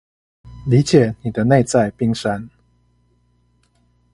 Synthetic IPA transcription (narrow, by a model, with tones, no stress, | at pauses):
li˨˦t͡ɕjɛ˨˩˦ni˨˩d̪ə˦ne˥˧ɪt͡sa˥˧ɪpi˥˧ŋʂa˦n